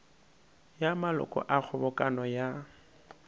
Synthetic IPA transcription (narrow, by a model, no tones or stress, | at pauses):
jamalʊ̰kʼɔ̰ʔak͡xʰʊbɔkʼanɔja